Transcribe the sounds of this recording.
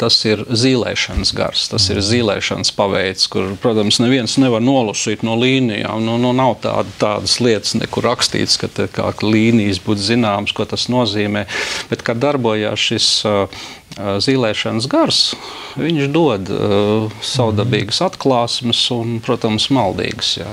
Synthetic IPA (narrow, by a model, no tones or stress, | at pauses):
t̪asiɾziːlˠɛ̰ːʃɐnəsɡa̰ɾst̪asiɾziːlˠɛ̰ːʃa̰nspaʋɛjt̪skuɾpɾuɔt̪amsnɛʋiɛnsnɛʋaɾnuɔlˠusiːt̪nuɔliːnija̰ːmnununawt̪a̰ːd̪t̪aːd̪əslˠiɛt̪ə̥snɛ̰kuɾakst̪ḭːt̪skat̪ɛka̰ːklʲˠiːnijsbuːt̪zinaːmskuɔt̪asnuɔziːmɛːb̥ɛt̪kad̪d̪ːaɾbuɔja̰ːsʃis | ziːlˠɛːʃans̬ɡaɾs | ʋiɲʃd̪uɔd̪ | sawd̪abiːɡsat̪klˠɑːsməsʊnpɾuɔt̪amsmalˠd̪ḭːɡsja̰